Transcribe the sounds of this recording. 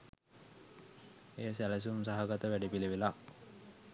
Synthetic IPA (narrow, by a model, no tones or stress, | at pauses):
eːsæləs̬uumsaɦaɡat̪əʋæɖipileʋila